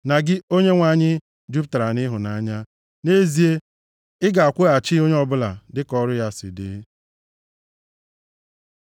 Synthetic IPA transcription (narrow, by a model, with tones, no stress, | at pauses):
na˨ɡɪ˦o˦ɲe˦ŋʷa˨ɲɪ˦ | d͡ʒu˦pta˨ɾa˨nɪ˦ɦʊ˨na˨a˦ɲa˦ | ne˦zi˨e˦ | ɪ˦ɡa˨a˨kʷʊ˦a˨t͡ʃɪ˦o˦ɲe˦ɔ˦˨bʊ˦la̰˨dɪ˦kɔ˦ɾʊ˦ja˦sɪ̰˨dḛ˦